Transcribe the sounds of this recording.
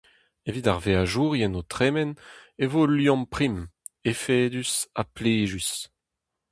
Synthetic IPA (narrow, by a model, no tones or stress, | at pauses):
evidaʁveaʒuːʁjɛnot̪ʁemɛnevoːljɔ̃mpχim | efeːd̪ysapleːʒys